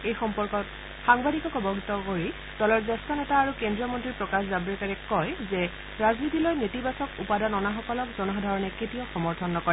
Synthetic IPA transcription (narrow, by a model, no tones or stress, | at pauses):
ejxɔmpɔɹkɔt | xaŋbadikɔkɔbɔɡʱitɔkoɹi | d̥ɔlɔɹzɛstɔnɛtaːɹukendɹijɔmɔntɹipɹɔkaszabɹɛkaɹɛkɔjzɛ | ɹaznitilɔjnetibasɔkupadanɔnaxɔkɔlɔkzɔnɔɦɔdʱɔɹɔnɛketijɔxɔmɔɹtʰɔnːɔkɔ